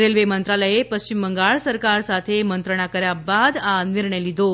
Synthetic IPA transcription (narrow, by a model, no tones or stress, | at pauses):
ɾelʋemənt̪ɾaləjepəɕt͡ɕimbəŋɡaɭsəɾkaɾsat̪ʰemənt̪ɾəɳ̃akəɾjabad̪aniɾɳəjlid̪o